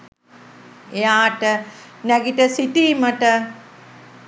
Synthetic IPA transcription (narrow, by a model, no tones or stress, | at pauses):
ejaːʈənæɡiʈəsitiːməʈə